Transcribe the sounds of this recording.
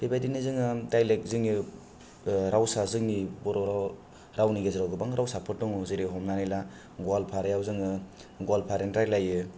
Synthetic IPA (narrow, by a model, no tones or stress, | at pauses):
b̥ebajdinizɯŋɯdajlek̚zɯŋni | ɾawsazɯŋnibɔɾɔɾa | ɾawniɡezɯɾawɡɯbaŋɾawsapʰɯɾdɔŋuzɯɾiɦɔmnanila | ɡɔalpʰaɾajawzɯŋɯ | ɡalpʰaɾentɾajlajɯ